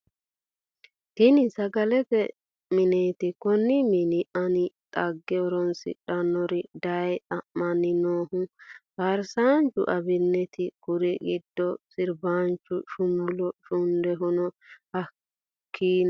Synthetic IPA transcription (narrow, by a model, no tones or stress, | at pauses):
t̪ɪnɪsɐɡɐlɛtɛ | mɪneːt̪ɪkɔnːɪmɪnɪʔɐnɪt̪ʼɐɡːɛɔɾɔnsɪ̰ᶑɐnɔɾɪd̪ɐjt̪ʼɐʔːɐnɪnoːhʊfɐɾsaːnt͡ʃʊ̰ʔɐbɪnːɛt̪ɪkʊɾɛɡɪd̪ːɔsɪɾbaːnt͡ʃːʊʃʊmʊlɔʃʊnd̪ɛɦʊnɔhɐ | kʰːiːn